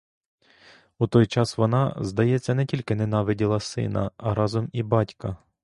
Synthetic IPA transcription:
ut̪ɔjt͡ʃɑsʋɔnɑzd̪ɐjɛt͡sʲːɐnɛtʲilʲkɪnenɑʋɪdʲilˠɐsɪ̰nɐ̰ɐɾɑzɔmibɑtʲkɐ

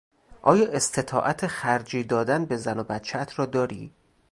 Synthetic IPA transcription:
ʔɒ̰ːjɒːʔe̞st̪ʰe̞t̪ʰɒ̰ːʔæt̪ʰexæɾd͡ʒiːd̪ɒːd̪ænbe̞zænobæt̪t͡ʃʰeæt̪ʰɾɒːd̪ɒːɾḭː

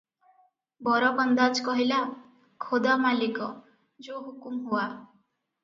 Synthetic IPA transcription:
bɔɾɔbɔnd̪ad͡ʒkɔɦila | kʰod̪amalikɔ | d͡ʒoɦukumɦuwa

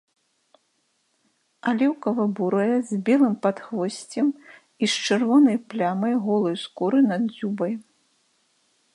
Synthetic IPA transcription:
alʲɛwkɐvɐbuɾɐjɛzʲbʲɛlˠɨmpat̪xvɔsʲt͡sʲɛm | iʃt͡ʂɨrvɔnɐjplʲamɐjɣɔlˠɨjskuɾɨnad̪zʲubɐj

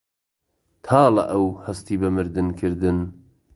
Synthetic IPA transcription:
t̪ʰaːlɐ̰ʔɐwhɐst̪iːbɐmɨɾd̪ɨnkʰɨɾd̪ɨn

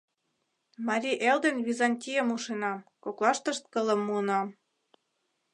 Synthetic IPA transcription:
mɑɾʲiʔeld̪enβizɑnʲtʲijəmuʃenɑmkoklɑʃt̪ə̆ʃt̪̚kə̆lə̆mːuənɑm

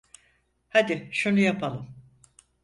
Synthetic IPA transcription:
had̪ɪʃunujapalˠɯm

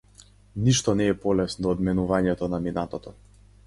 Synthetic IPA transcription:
niʃt̪ɔnɛːpɔlɛsnɔd̪ɔːd̪mɛnuvaɲɛt̪ɔnaminat̪ɔt̪ɔ

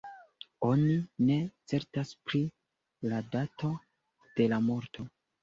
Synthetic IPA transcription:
o̞nine̞t͡se̞ɾtaspɾi | ladato̞ | d̥e̞lamo̞ɾto̞

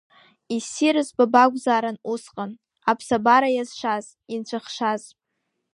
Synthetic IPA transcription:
isiɾɨzbabaɡʷzaːɾanusqʼan | apʰsabaɾajazʃʷaz̥ | int͡ɕʷʰaχʃaz

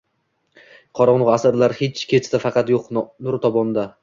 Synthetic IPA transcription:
qʰɒɾɒnʁɑasaɾlaɾhet͡ʃkʲʰet͡ʃ̪t̪afɑqɑt̪joqnʊɾt̪ʰɒbɒnd̪a

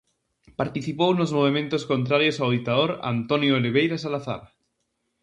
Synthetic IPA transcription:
paɾt̪iθipownozmoβ̞emẽnt̪oskont̪ɾaɾjosawðit̪aðoɾa̰nt̪onjoeleβ̞ejɾasalaθa̰ɾa

